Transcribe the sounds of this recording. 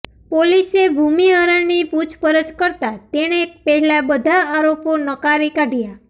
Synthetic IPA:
polisebʱumiəɾəniput͡ʃʰpəɾəd͡ʒkəɾt̪at̪eɽ̃epəɦilabəd̪ʱaaɾoponəkaɾikaɖʱija

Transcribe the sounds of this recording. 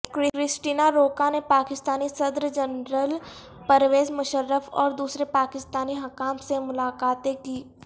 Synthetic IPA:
kɾɪɾɪsʈiːnaɾoːkanepaːkɪst̪aːnisɐd̪ɾd͡ʒənɾəl | pəɾʋeːzmʊʃəɾːəfɔ̰ːɾd̪uːsɾepaːkɪst̪aːniɦɐkaːmsemʊlaːkaːt̪ẽkiː

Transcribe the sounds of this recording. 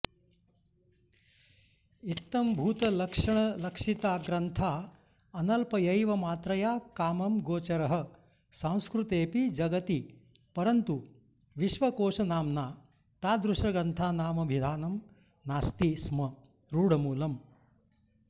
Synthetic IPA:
it̪ːɐmbʱuːt̪ɐlɐkʂɐɳ̃ɐlɐkʂit̪aːɡɾɐnt̪ʰaː | ɐnɐlpɐjɐjʋɐmaːt̪ɾɐjaːkaːmɐmɡoːt͡ʃɐɾɐɦɐ̆ | sãw̃skɾut̪eːpid͡ʒɐɡɐt̪i | pɐɾɐnt̪u | ʋiʃʋɐkoːʂɐnaːmnaː | t̪aːd̪ɾuʃɐɡɾɐnt̪ʰaːnaːmɐbʱid̪ʱaːnɐm | naːst̪ismɐ | ɾuːɽ̤ɐmuːlɐm

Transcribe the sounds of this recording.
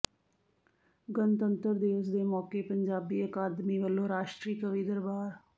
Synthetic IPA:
ɡənt̪ənt̪əɾd̪ɪʋəs̬d̪eːmɔːkeːpəɲd͡ʒaːbiːəkaːd̪miːʋəlːõːɾaːʃʈɾiːkəʋiːd̪əɾbaːɾ

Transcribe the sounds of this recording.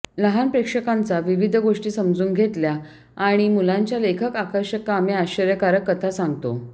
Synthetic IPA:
nəɦanpɾekʂəkant͡saʋiʋid̪ʱɡoʂʈiːsəmd͡zuːnɡʱet̪lja | aɽ̃imulãɲt͡ɕjalekʰəkakəɾɕəkːameaɕəɾjəkaɾəkːət̪ʰasãŋɡt̪o

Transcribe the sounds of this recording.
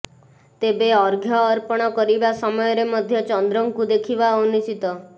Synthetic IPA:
t̪ebeɔɾɡʱjɔːɾpɔɽ̃ɔkɔɾibasɔmɔjɔɾemɔd̪ʱjɔt͡ʃɔnd̪ɾɔŋkud̪ekʰibaonisit̪ɔ

